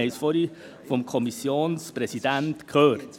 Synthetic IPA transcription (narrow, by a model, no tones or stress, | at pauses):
ɛɪsfɔɾi | fɔmkʰɔmisjoːnspɾɛsidæntkʰøːɾt